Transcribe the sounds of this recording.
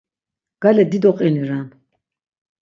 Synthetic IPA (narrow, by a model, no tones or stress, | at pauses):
ɡ̥alɛd̪id̪ɔqʼiniɾam